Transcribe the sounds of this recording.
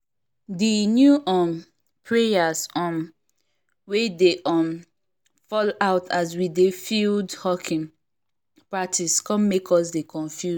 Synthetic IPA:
dinjuʔɔ̃m | pʰɹejasɔ̃m | wedeʔɔ̃m | fɔlaʊtʰas̬widefildhɔkʰĩŋ | patʰiskɔ̃mmekʰɔs̬dekɔ̃ɱfju

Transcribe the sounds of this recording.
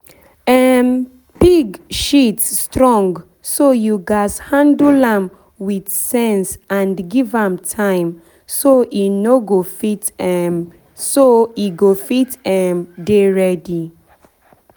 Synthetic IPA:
ɛm | b̥iɡʃitːtɹɔ̃ŋɡ | sojuɡashãndlãm | widsɛ̃nsãndɡivãmtʰãɪ̃m | soʔinoɡofitɛm | soiɡofitɛmdeɹɛdi

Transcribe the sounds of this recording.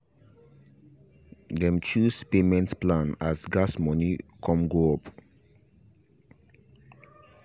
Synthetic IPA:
dɛ̃mt͡ʃuspemɛ̃ntplãnasɡasmɔnikʰɔ̃mɡoɔp

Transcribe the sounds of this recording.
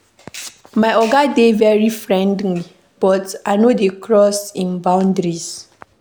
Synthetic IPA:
majɔɡadevɛɹifɹɛ̃ndli | b̥ɔtaɪnodekʰɹɔsĩnbãʊ̃ndɹis

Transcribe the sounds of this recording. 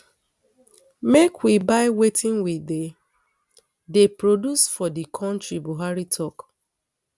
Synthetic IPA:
mekwibaɪwetʰĩnwide | depɹodusfɔdikʰɔ̃ntɹibuɦaɹitʰɔk

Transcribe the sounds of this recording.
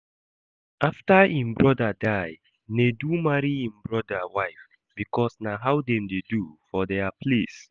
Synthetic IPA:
aftaĩmbɹɔdadaj | nedumaɹiĩmbɹɔdawaɪf | b̥ikɔsnaɦawdɛ̃mdedufɔdeapʰles

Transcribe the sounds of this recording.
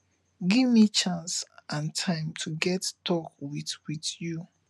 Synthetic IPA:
ɡivmit͡ʃãnsʔãntʰãɪ̃mtʰuɡɛttʰɔkwiθwiθju

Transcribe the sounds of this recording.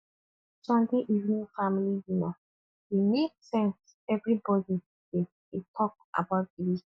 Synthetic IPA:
sɛ̃ndeʔivnĩŋfamilijina | imeksɛ̃ns | ɛvɹibɔdi | de | etʰɔk̚ | a̰baʊt̚ili

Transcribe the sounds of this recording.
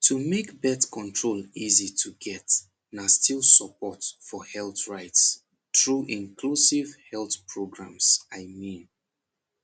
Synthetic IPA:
tʰumekbɛtkʰɔ̃ntʰɹolizitʰuɡɛt | nastʰilˠsəpɔtfɔhɛlˠθɹaɪts | tɹuʔĩŋkʰlusivhɛlˠθpʰɹoɡɹã̰msaɪmĩn

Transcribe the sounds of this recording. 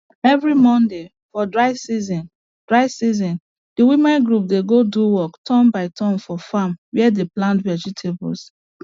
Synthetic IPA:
ɛvɹimɔ̃nde | fɔdɹaɪsizɔ̃n | d̥ɹaɪsizɔ̃n | d̥iwimɛ̃nɡɹup̚deɡoduwɔktʰɔ̃mbaɪtʰɔ̃mfɔfamwɛɛdeplãntvɛd͡ʒitʰebɔ̰ls

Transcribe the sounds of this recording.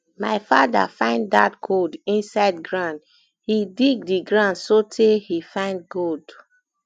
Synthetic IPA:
maɪfada̰fãɪ̃nddat̚ɡodĩnsaɪdɡɹãnd | hidiɡ̚diɡɹãndsotʰehifãɪ̃nd̚ɡod

